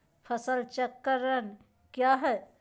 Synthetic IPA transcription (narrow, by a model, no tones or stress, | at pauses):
fʰɐsəlt͡ʃɐkːəɾən | kjaːɦɛ